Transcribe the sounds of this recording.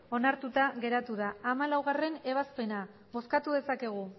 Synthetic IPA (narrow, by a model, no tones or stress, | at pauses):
o̞naɾt̪ut̪aɣe̞ɾat̪uðaːmalawɣare̞ne̞β̞aspe̞na | βo̞skat̪uðe̞sake̞ɣ̞u